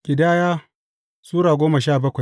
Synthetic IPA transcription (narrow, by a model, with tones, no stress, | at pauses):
kʲʼɪ˨daː˦jaː˦ | suː˦ɾaː˨ɡʷoː˦ma˨ʃaː˦˨bɐ˦kʷa˨j